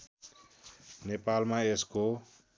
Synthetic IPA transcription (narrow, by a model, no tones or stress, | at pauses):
nepalmãesko